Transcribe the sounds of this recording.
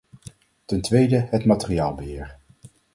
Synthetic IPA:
tɛntʋejdəɦətmatəriaːlˠbəɦɪːɹ

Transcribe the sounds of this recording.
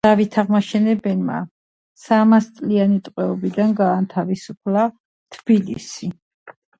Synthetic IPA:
avit̪ʰaʁmaʃɛnɛbɛnma̰ | samast̪sʼlianit̪ʼqʼwɛɔbid̪anɡaːnt̪ʰavisupʰla | t̪ʰb̥ilḭsi

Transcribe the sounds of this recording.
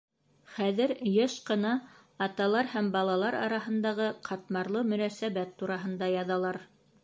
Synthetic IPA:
χæðɘɾjɤʃqɤ̆nɑː | t̪ɑlˠɑɾhæmbɑlˠɑlˠɑɾɑ̰ɾɑɦɤ̆nd̪ɑʁɤqʰɑt̪mɑɾlˠɤmɵ̆næsæβæt̪ːuɾɑɦɤ̆nd̪ɑjɑðɑlˠɑɾ

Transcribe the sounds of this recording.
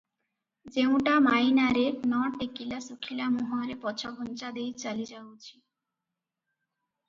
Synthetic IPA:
d͡ʑew̃ʈamajnaɾenɔʈekilasukʰilamuɦoaɾepɔt͡ɕʰabʱɔnt͡ɕad̪ejt͡ɕalid͡ʑawt͡ɕʰi̥

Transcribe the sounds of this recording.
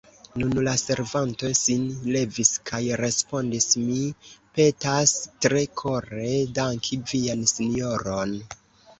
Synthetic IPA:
nunlase̞ɾvanto̞sinle̞viskʰajɾe̞spo̞ndismipe̞tastɾe̞kʰo̞ɾe̞daŋkʰiviansinio̞ɾo̞n

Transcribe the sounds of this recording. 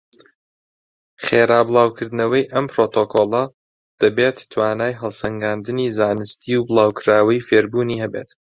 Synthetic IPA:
χeːɾaːbɨlˠaːwkʰɨɾd̪ɨnɐwɐjʔɐmpɾoːt̪ʰokʰoːlˠɐ | d̪̥ɐbeːt̪ːʰwaːnaːjɦɐlˠsɐŋɡaːnd̪ɨniːzaːnɨst̪ʰiːwbɨlˠaːwkʰɨɾaːwɐjfeːɾbuːniːhɛbḛːt̪

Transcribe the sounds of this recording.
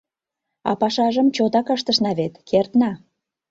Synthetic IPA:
ɑ̰pɑʃɑʒəmt͡ɕot̪ɑkəʃt̪əʃnɑβet̪kert̪nɑ

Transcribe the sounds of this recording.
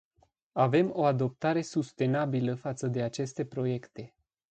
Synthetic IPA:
ave̞mo̞ad̪o̞p̚t̪aɾe̞sust̪e̞nabiləfat̪səd̪e̞at͡ʃe̞st̪e̞pɾo̞je̞kt̪e̞

